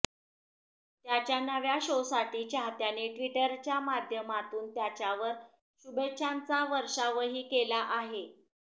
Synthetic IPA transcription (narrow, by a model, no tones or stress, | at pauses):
t̪jat͡ɕjanəʋjaɕowsaʈiːt͡ɕaɦt̪janeʈʋiʈəɾt͡ɕjamad̪ʱjəmat̪uːnt̪jat͡ɕjaʋəɾ | ɕubetːɕʰant͡saʋəɾʂaʋəɦiːkelaʔaɦe